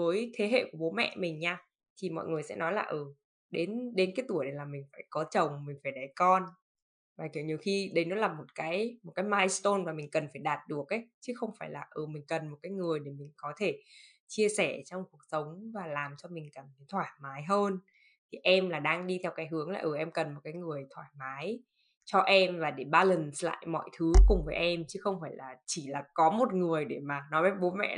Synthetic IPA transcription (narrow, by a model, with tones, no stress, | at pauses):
vəː˨˦jt̪ʰe˨˦ɦḛ˧˨ku˧˩əɓo˨˦mɛ̰˧˨mï˨˩ŋ̟ɲaː˧ | t̪ʰi˨˩mɔ̰˧˨jŋɨ˨˩əjsɛ̰˧˥nɔ˨˦jlaː˨˩ʔɨː˨˩ | ɗe˨˦nɗe˨˦nkaː˨˦jt̪u˧˩əjɗe˨˩laː˨˩mï˨˩ŋ̟faː˧˩jkɔ˨˦t͡ɕə˨˩wŋ͡mmï˨˩ŋ̟faː˧˩jɗə˨˦jkɔ˧n | vaː˨˩k̪ɲi˨˩əwxi˧ɗə˧˦jnɔ˨˦laː˨˩mo˨˩t̚kaː˨˦jmo˨˩kaː˨˦jmaː˧jst̪o˧nmaː˨˩mï˨˩ŋ̟kə˨˩nfaː˧˩jɗaː˨˩t̚ɗu˨˩ək̚ʔə˨˦jt͡ɕɨ˨˦xə˧wŋ͡mfaː˧˩jla̰ː˨˩ʔə˨˩mï˨˩ŋ̟kə˨˩nmo˨˩t̚kaː˨˦jŋɨ˨˩əjɗe˧˩mï˨˩ŋ̟kɔ˨˦t̪ʰe˧˩ | t͡ɕi˧əsɛ˧˩t͡ɕɔ˧wŋ͡mku˨˩ək̚sə˨˦wŋ͡mvaː˨˩laː˨˩mt͡ɕɔ˧mï˨˩ŋ̟kə˨˩nki˨˦t̪ʰwaː˧˩jmaː˨˦jɦəː˧n | t̪ʰi˨˩ʔɛ˧mlaː˨˩ɗaː˧ŋɗi˧t̪ʰɛ˧wkaː˨˦jɦɨ˨˦əŋla̰ː˨˩ʔəː˧˩ʔɛ˧mkə˨˩nmo˨˩t̚kaː˨˦jŋɨ˨˩əjt̪ʰwaː˧˩jmaː˨˦j | t͡ɕɔ˧ʔɛ˧mvaː˨˩ɗe˧˩ɓaː˧lə˨˩nsla̰ː˧˨jmɔ̰˧˨jt̪ʰɨ˨˦kʊ˨˩ŋ͡mvəː˨˦jʔɛ˧mt͡ɕɨ˨˦xə˧wŋ͡mfaː˧˩jlaː˨˩t͡ɕi˧˩laː˨˩kɔ˨˦mo˨˩t̚ŋɨ˨˩əjɗe˧˩maː˨˩nɔ˨˦mɛ˨˦˥ɓo˨˦nmɛ̰˧˥